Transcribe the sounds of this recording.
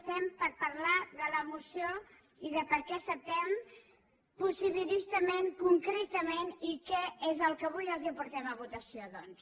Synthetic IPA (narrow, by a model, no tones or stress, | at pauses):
st̪ɛmpəɾpəɾlaðələmusijo | iðəpəɾkɛsəp̚t̪ɛm | pusiβilist̪əmeŋkuŋkɾet̪əmenikɛezəlˠkəβ̞ujəlˠzipuɾt̪ɛməβut̪əsioðɔns